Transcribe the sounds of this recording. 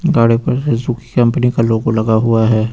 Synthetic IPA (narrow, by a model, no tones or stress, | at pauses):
ɡaːɽepɐɾsezuki̥kɐ̃mpnikaloːɡolɐɡaɦʊaɦɛː